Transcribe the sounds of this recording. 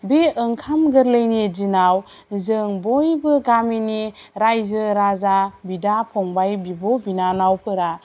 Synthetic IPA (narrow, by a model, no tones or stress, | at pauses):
beɯŋkʰamɡɯɾlɯjnid͡ʒinawzɯŋbɔjbɯɡaminiɾajzɯɾazabidapʰɔŋbajbibɔbinanawpʰɯɾa